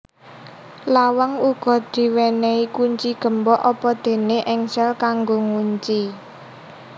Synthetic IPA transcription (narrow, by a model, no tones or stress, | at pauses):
lawaŋuɡ̥ɔ̤d̪̥i̤weneikuɲt͡ʃiɡ̥ə̤mbɔʔɔpɔd̪̥e̤neʔɪŋsɛlkaŋɡoŋuɲt͡ʃi